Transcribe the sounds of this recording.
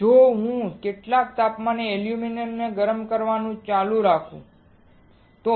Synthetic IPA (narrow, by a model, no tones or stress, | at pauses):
d͡ʒoɦũkeʈlakt̪apmaneeljuminemneɡəɾəmkəɾʋanũt͡ʃalũɾakʰṵ̃ | t̪o